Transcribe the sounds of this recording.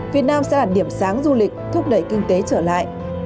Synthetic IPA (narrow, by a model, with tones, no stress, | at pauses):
vi˨˩ət̚naː˧msɛ̰˧˥ɗaː˨˩ɗi˧˩əmsaː˨˦ŋzu˧lï˨˩k̟̚t̪ʰʊ˦˥k͡p̚ɗə˧˩jkï˧ŋt̪e˨˦t͡ɕəː˧˩la̰ː˧˨jʔ